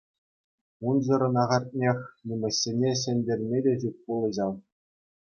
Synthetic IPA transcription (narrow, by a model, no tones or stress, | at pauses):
unʑɤ̆ɾɤ̆nɑʁɑrʲt̚ʲnʲexʲnʲumʲɘ̆ɕʲːenʲeɕ̬ɘ̆nʲdʲerʲmʲedʲeʑup̚ʲpulˠɤ̆ʑɑl